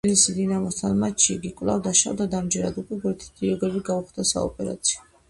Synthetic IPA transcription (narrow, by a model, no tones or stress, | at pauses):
lisid̪inamɔst̪ʰanmatt͡ʃʃiɡikʼvlˠa̰vd̪aʃa̰vd̪ad̪amd͡ʒɛɾa̰d̪ukʼwɛɡɛɾt̪ʰi̥t̪ʰiɔɡɛbiɡauχd̪asa̰ɔ̰pʼɛɾa̰t̪sʰi̥ɔ